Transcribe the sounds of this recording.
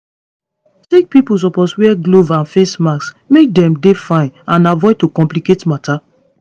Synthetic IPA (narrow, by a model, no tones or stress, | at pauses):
tek̚pipus̬ɔposwɛɡlovãnfesmaks | mek̚dɛ̃mdefãɪ̃nãnavɔɪtokɔ̃mpliketmata